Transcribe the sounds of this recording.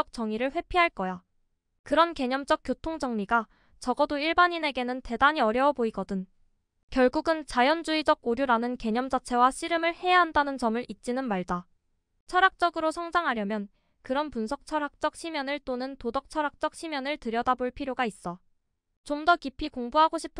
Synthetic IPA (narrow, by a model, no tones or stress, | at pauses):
ʌk̚t͡ɕ͈ʌŋiɾɯɭɸwe̞pʰiɦaɭk͈ʌja | kɯɾʌnke̞ɲʌmd͡ʑ͈ʌk̚k͈jotʰoŋd͡ʑʌŋɲiɡa | t͡ɕʌɡʌdoiɭbaɲine̞ɡe̞nɯnte̞daɲiʌɾjʌwʌboiɡʌdɯn | kjʌɭɡuɡɯnt͡ɕajʌnd͡ʑuid͡ʑʌk͈̚oɾjuɾanɯnke̞ɲʌmd͡ʑat͡ɕʰe̞waɕʰiɾɯmɯɭhe̞jaɦandanɯnt͡ɕʌmɯɾʔit̚t͡ɕ͈inɯnmaɭda | t͡ɕʰʌɾak̚t͡ɕ͈ʌɡɯɾosʰʌŋd͡ʑaŋɦaɾjʌmjʌn | kɯɾʌnpunsʰʌk̚t͡ɕʰʌɾak̚t͡ɕ͈ʌk̚ɕʰimjʌnɯɭt͈onɯntodʌk̚t͡ɕʰʌɾak̚t͡ɕ͈ʌk̚ɕʰimjʌnɯɭtɯɾjʌdaboɭpʰiɾjoɡais͈ʌ | t͡ɕomdʌkipʰikoŋbuɦaɡoɕʰi̥pʰ